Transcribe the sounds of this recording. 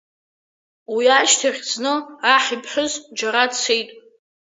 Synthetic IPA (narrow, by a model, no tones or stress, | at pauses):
wiaʃtʰerʲt͡snɨaħipʰħʷʊzd͡ʒaɾadt͡sʰejtʼ